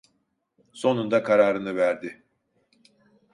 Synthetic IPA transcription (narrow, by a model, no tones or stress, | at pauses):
so̞nund̪akʰaɾaːɾɯnɯvæɾd̪ɪ